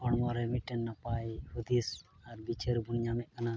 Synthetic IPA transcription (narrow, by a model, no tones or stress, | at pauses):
ɔɽmɔɾɛmiʈɛnːapajhud̪isaɾbit͡ʃʰeɾbunɲamɛʔ̚kana